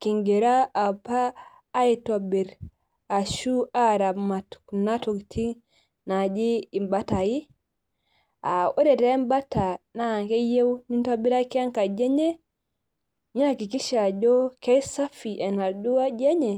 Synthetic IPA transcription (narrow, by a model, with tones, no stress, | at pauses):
ki˨ŋɡe˨ɾa˦a˨paː˦ | ito˨bi˨ɾ | a˨ʃu˦a˦ɾa˨ma˨tku˨na˦to˨ktʰi˦ | na˨d͡ʒiː˦˨mba˦ta˨ji˦ | a˨ʔo˦ɾɛ˨tɛ˦mba˦ta˨na˦˨ŋke˦je˦wni˦nto˦bi˦ɾa˦kɛ˦a˦ŋka˨d͡ʒe˦ɲe˦ | ɲi˦na˨ki˨ki˦ʃa˨d͡ʒɔ˦kɛ˦sa˦fi˨ʔɛ˨na˨du˦wa˦d͡ʒe˦ɲɛ˨